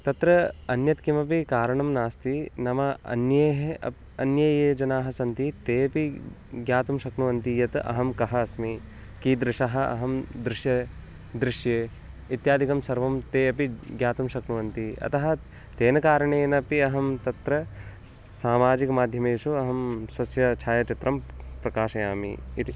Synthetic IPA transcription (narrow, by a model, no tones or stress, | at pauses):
t̪ɐt̪ɾɐɐnjɐt̪kimɐp̬ikaːɾɐɳɐmnaːst̪inɐmɐɐ̰njɐɦ | ɐnjɐjeːd͡ʒɐnaːɦɐ̆sɐnt̪it̪eːɐpi | ɡjaːt̪umʃɐknuʋɐnt̪ijɐt̪ɐ̰ɦɐmkɐɦɐːsmi | kiːd̪ɾɪʃɐɦɐ̆ɐ̰ɦɐmd̪ɾɪʃjɐ | d̪ɾɪʃjeː | it̪jaːd̪ʱikɐmsɐɾʋɐmt̪eːɐpiɡjaːt̪umʃɐknuʋɐnt̪iɐ̰t̪ɐɦɐ̆ | t̪eːnɐkaːɾɐɳeːnɐpiɐɦɐmt̪ɐt̪ɾɐ | saːmaːd͡ʒikɐmaːd̪ʱjɐmeːʃuɐɦɐmswɐsjɐt͡ʃʰaːjɐt͡ʃit̪ɾɐm | pɾɐkaːʃɐjaːmḭ | it̪